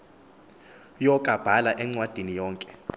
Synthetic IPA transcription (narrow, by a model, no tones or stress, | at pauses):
jɔkʼab̥ʱalaʔɛŋ͡ǀwad̥ʱinijɔːŋkʼɛ̥